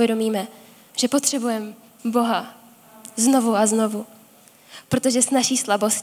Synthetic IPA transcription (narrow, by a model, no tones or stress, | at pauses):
jɛdo̞miːmɛ | ʒ̥ɛpo̞t̪r̝̥ɛbujɛm | bo̞ɦa | zno̞vuazno̞vu | pɾo̞t̪o̞ʒɛsnaʃiːslabo̞s